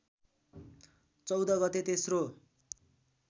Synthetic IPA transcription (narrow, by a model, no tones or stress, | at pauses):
t͡sʌwd̪ʌɡʌt̪et̪esro